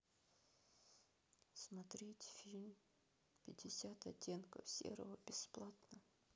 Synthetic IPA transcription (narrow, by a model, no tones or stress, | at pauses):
smɐt̪ɾʲetʲfʲilʲmʲ | pʲɪdʲɪsʲat̪ɐtʲːe̞nkəfsʲḛɾə̰vəbʲɪsplˠat̪nə